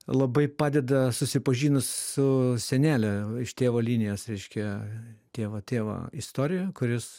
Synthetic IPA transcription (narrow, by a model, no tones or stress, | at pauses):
lˠɐbɐɪpɑːd̪ʲɛd̪ɐsʊsʲɪpɐʒʲiːnʊssʊsʲɛnʲæːlʲɛɪʃt̪ʲeːʋoːlʲiːnʲɪjoːsɾʲɛɪʃʲkʲɛt̪ʲeːʋɐt̪ʲeːʋo̰ːist̪oːɾʲɪjɛkʊɾʲɪs